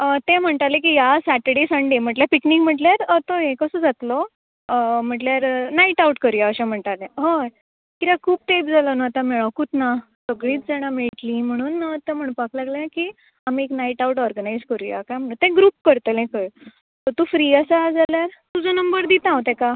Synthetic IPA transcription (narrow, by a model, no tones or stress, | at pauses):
ət̪ɛ̃m̤əɳt̪alẽkijasæʈəɽesəɳɖem̤əʈljapiknikm̤əʈljaɾət̪oɦẽkəsəd͡zat̪lɔ | m̤əʈljaɾnaiʈauʈkəɾujaəɕãm̤əɳt̪alẽɦəɾ | kit̪ãkʰuːb̚ʈ̪epd͡zalənat̪ãmɛɭakuːt̪na | səɡɭiːt̪d͡zɛɽ̃ameɭʈlĩm̤əɽ̃uːnət̪ɛ̃m̤əɽ̃ũnpaklaɡlanaki | amieknaiʈauʈɔɾɡənajd͡zkəɾuja̰kajm̤əɽũnt̪ɛ̃ɡɾuːp̚kəɾt̪əlɛ̃kəj | t̪ət̪ũːfɾiːəsad͡zaljaɾt̪ud͡zənəmbəɾd̪it̪ãwt̪ɛ̃ka